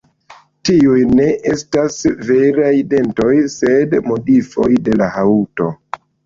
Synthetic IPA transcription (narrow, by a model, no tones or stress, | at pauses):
tiujne̞ʔestasve̞ɾajde̞nto̞jse̞dmo̞difo̞̰jde̞lahauto̞